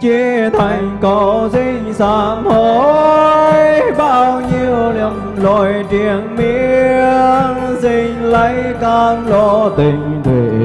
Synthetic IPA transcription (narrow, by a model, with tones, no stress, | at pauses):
t͡ɕi˧t̪ʰa˨˩jŋ̟kɔ˨˦zi˧ | saː˧˨˩mho˧˩ | jɓaː˧wɲi˧əwlə˨˩m | lɔ˧˩jt͡ɕi˧˩əŋmi˧˥əəəŋzi˧˩ŋlə˧˦jkaː˧˩nlɔ˧t̪ï˨˩ŋ̟t̪ḛ˨˩